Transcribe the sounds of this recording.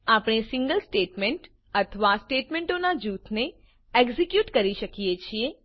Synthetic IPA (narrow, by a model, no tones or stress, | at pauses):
apɽ̃esĩŋɡəlsʈeʈmeɳʈ | ət̪ʰəʋasʈeʈmẽɳʈonad͡ʒut̪ʰne | ɛɡzikjuʈkəɾiʃəkijet͡ʃʰie